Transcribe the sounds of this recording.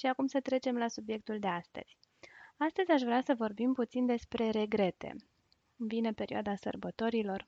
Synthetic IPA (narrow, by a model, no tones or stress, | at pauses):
ʃiakumsət̪ɾe̞t͡ʃe̞mlasubje̞k̚t̪uld̪e̞ast̪ə̰z̥ʲ | ast̪əzʲaʃvɾeasəvo̞rbimput̪sind̪e̞spɾe̞ɾe̞ɡɾe̞t̪e̞̰ | ɨvine̞pe̞ɾiwad̪asə̰rbət̪o̞ɾilo̞r